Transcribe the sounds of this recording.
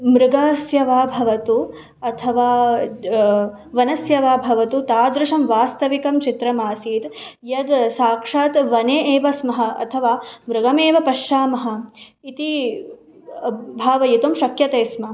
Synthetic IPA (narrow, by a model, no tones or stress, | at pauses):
mɾuɡaːsjɐʋaːbʱɐʋɐt̪u | ɐt̪ʰɐʋaː | ʋɐnɐsjɐʋaːbʱɐʋɐt̪ut̪aːd̪ɾuʃɐmʋaːst̪ɐʋikɐmt͡ʃit̪ɾɐmaːsiːt̪jɐd̪saːkʂaːt̪ʋɐneːʔeːʋɐsmɐɦɐ̆ʔɐ̰t̪ʰɐʋaːmɾuɡɐmeːʋɐpɐʃaːmɐɦɐ̆it̪i | bʱaːʋɐjit̪ɐmʃɐkjɐt̪eːsmɐ